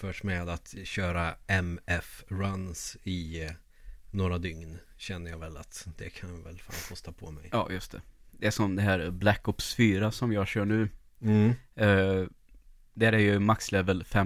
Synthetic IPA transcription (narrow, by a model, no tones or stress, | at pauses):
fœʂmeːd̪at̪ɕøːɾaɛmɛfɾansɪ | noːɾad̪ʏŋn | ɕɛnːəjɑːvɛlat̪d̪̥ɛkʰanvɛ̰lfa̰ːnkʰɔst̪apʰɔmɛjɑ̰ːjɵst̪ʰɛd̪̥ɛæʂɔmd̪ɛɦæːɾblækːɔpsfyːɾasɔmjɑːɡɕœːɳʉ̟ː | d̪æɾæɾjɵmakslɛvəlfɛ